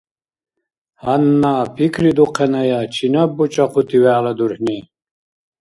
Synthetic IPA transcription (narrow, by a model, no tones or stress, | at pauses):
hanːaːpʰikʰɾid̪uqʰɛnajat͡ʃʰinabːut͡ʃʼaχut̪ʰiwæːlad̪uɾħni